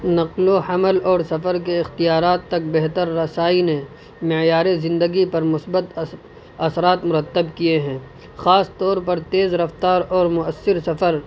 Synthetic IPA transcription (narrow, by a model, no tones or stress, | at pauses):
nɐqlohɐməlɔːɾsɐfəɾk̬eɪxt̪ijaːɾaːt̪ːɐk̚bɛɦt̪əɾːɐsaːine | mɪjaːɾezɪ̃nd̪əɡipɐɾmʊsbət̪ | ɐsɾaːt̪mʊɾət̪ːəbkieɦɛ̃ː | xaːst̪ɔːɾpɐɾt̪eːzɾɐft̪aːɾɔːɾmʊəsːɪɾsɐfəɾ